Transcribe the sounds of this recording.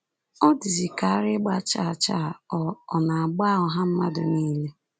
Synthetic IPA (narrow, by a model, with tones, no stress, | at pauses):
ɔ˦di˨zi˨ka˨a˦ɾɪ˦ɡ͡ba˦t͡ʃa˦˨a˨t͡ʃa˦˨ɔ˨ɔ˨na˨a˨ɡ͡ba˦˨ɔ˨ɦa˦m̩˦ma˦dʊ˨niː˦le˦